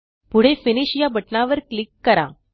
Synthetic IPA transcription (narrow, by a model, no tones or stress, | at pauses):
puɽ̤efiniɕijabʱəʈnaʋəɾklikːəɾa̰